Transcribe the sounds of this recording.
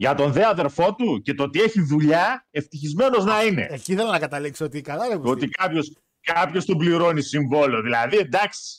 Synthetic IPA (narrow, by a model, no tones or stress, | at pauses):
ʝɐt̪o̞nðe̞ɐðe̞ɾfo̞t̪uce̞t̪oot̪ie̞çiðuʎɐe̞ft̪içizme̞no̞znɐine̞̰eciθelonɐkɐt̪ɐliksoot̪ikɐlɐɾɐpo̞t̪ikɐpço̞s | kɐpço̞st̪obliɾo̞nisiɱvo̞leo̞ðilɐðie̞nd̪ɐksi̥